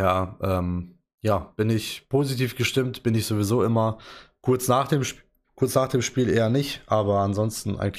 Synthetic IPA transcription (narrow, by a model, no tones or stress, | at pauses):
jaːʔɛːm | jaːb̥ɪnɪçpʰoːzitʰiːfɡ̥əʃtɪmtb̥ɪnɪçz̥oːvizoːʔɪmɐkʰʊɐt͡snaːχd̥eːmʃ | kʰʊɐt͡snaːχd̥eːmʃpiːlʔeːɐnɪçtʔaːbɐanzɔnstn̩ʔa̰ɪɡŋ̩l